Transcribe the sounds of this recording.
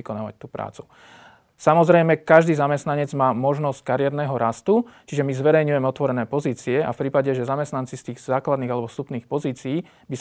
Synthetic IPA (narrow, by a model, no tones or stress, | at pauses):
ikɔnaːʋa̰c̚t̪uːpɾa̰ːt͡su̥ | samɔzɾɛjmɛkaʒd̪iːzamɛst̪naɲɛd͡zmaːmɔʒnɔsc̚kaɾɪjɛɾnɛːɦɔɾast̪ut͡ʃiʒɛmizʋɛɾɛjɲujɛmɛɔt̪ʋɔɾɛnɛːpɔziːt͡siɛa̰fpɾiːpaɟɛʒɛzamɛst̪nant͡sist̪iːɣzaːklad̪niːɣalɛbɔst̪upniːxpɔziːt͡sijiː | bis